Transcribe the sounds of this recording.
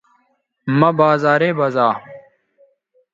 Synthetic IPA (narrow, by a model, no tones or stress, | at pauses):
mɐbaːzaːɾeːbɐzaː